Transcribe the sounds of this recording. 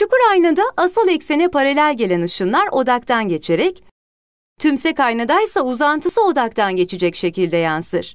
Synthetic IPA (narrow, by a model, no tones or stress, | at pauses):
t͡ʃukuɾajnad̪aʔːsɯlˠɛcsenɛpʰaɾelʲæɾʲɟe̞lʲenɯʃɯnlˠaɾo̞d̪ak̚t̪ʰanɟe̞t͡ʃʰe̞ɾɛc | t̪ʰymsɛkajnad̪ajsauzant̪ʰɯsɯo̞d̪akt̪ʰanɟe̞t͡ʃʰid͡ʒɛcʃe̞cilʲd̪ɛjansɯɾ̥